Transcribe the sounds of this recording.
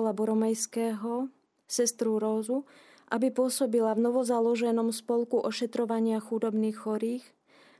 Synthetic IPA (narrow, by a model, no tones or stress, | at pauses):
labɔɾɔmɛjskɛːɦɔ | sɛst̪ɾuɾɔːzu | ʔabipʊɔsɔbilavnɔʋɔzalɔʒɛnɔmspɔlˠkuʔɔʃɛt̪ɾɔʋaɲɪaxud̪ɔbniːxːɔɾiːx